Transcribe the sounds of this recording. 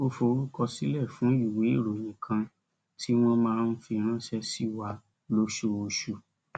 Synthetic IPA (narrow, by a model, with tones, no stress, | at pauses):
o˧fo˧˨˦ɾu˦kɔ˧si˦lɛ˦˨fũ˨˦i˦˨we˨˦i˦˨ɾo˨j̃ĩ˨kʰã˧ | tʰi˦w̃ɔ̃˦mãː˦˧n̩˦fi˧ɾ̃ã˦˨ʃɛ˧si˦˨wa˨˧ | lo˦ʃo˧o˧ʃu˧˨